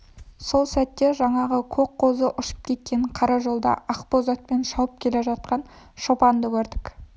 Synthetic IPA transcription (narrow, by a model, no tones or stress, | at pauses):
so̞lˠsæt̪ːe̞ʒɑɴɑʁəkʲʰɵk̚qʰo̞zəʔʊʃə̥p̚kʲʰe̞t̪̚kʲe̞ɴqʰɑɾɑʒo̞lˠd̪ɑ̰ɑqpozat̪̚pe̞nʃɑwəp̚kʲʰe̞le̞ʒɑt̪̚qɑn | ʃo̞pɑnd̪əkʲʰɵɾd̪ɪk